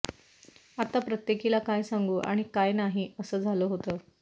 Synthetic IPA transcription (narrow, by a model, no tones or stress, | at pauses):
at̪apɾət̪jekilakajsaŋɡuːʔa̰ɽ̃ikajnaɦiːəsəːd͡zʱaləːɦot̪əː